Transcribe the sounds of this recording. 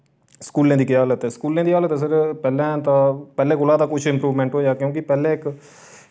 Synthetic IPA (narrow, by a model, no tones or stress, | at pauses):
skuːlẽːd̪iːkɪjaːlət̪ɛːskuːlːẽːd̪iːaːlət̪ɛs̬əɾpɛːlɛ̃ːt̪ãːpɛːlẽːkʊlaːd̪aːkʊt͡ʃʰɪ̃mpɾuːʋmɛ̃ːɳʈɦoːjaːkjõːkɪpɛːlẽːɪk